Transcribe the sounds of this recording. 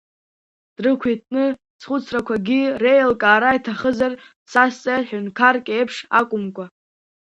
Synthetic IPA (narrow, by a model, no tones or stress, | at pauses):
d̥rɨkʷʰitʼʰnɨ | sχʊt͡sʰrakʷʰaɡʲirejlkʼaːɾaitʰaχəzar | sast͡sʼajħᶣʊnkʰarkʲʼejpʰʂakʷʼʊmkʷʼa